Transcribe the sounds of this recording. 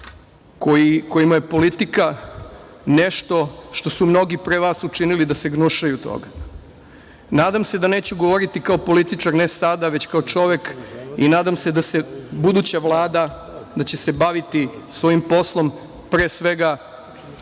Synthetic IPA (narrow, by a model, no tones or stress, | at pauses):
kojikojimajepo̞lit̪ika | neʃt̪o̞ʃt̪o̞sumno̞ɡipɾeʋasut͡ʂinilid̪aseɡnuʃajut̪o̰ɡa | naːd̪amse̞d̪ane̞ːt͡ɕuɡo̞ʋo̞ɾit̪ikaopo̞lit̪it͡ʂaɾnesad̪aʋe̞t͡ɕkaot͡ʃo̞ʋe̞kinaːd̪amse̞d̪asebud̪ut͡ɕaʋlˠaːd̪a | d̪at͡ɕese̞baʋit̪isʋo̞jimpo̞slˠo̞m | pɾeːsʋe̞ɡa